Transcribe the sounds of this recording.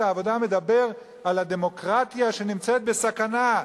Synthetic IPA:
aːvo̞d̪ame̞d̪abe̞ʁ | alad̪emo̞kʁat̪jaʃe̞nimt͡set̪̚besakana

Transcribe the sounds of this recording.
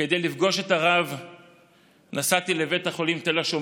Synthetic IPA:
ked̪ejlifɡo̞ʃe̞taʁav | nasat̪ileve̞thaχo̞limt̪elaʃom

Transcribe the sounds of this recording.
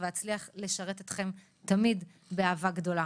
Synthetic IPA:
veat͡sliaχle̞ʃɐʁe̞t̪et̪χe̞m | t̪amid | beaːvaɡd̪o̞la

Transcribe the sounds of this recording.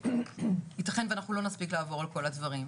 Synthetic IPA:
itaχenveanaχnulo̞naspiklaːvo̞ʁalko̞ladvɐʁim

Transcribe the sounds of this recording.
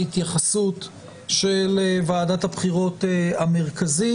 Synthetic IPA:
it̪jaχasut̪ | ʃelevaːdathabχiʁo̞t̪eame̞ʁkazi

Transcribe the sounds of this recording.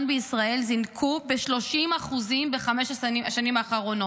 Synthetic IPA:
nbeisʁae̞lzinkʰube̞ʃlo̞ʃimaχuzimbeχameʃaaʃanimaːχaʁo̞no

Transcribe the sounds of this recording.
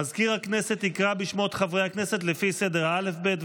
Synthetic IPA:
azkiʁhakne̞set̪ikʁabiʃmoet̪χavʁejhakneset̪lefisedeʁale̞fbet

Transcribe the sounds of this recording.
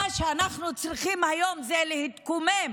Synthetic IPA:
aʃeanaχnut͡sʁiχimhajo̞mzelehit̪kumem

